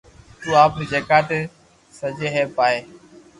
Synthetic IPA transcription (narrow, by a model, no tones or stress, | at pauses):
t̪uːaːpned͡ʒeːkaːʈ̪eː | səd͡ʒʱeːɦeːpaːɦeː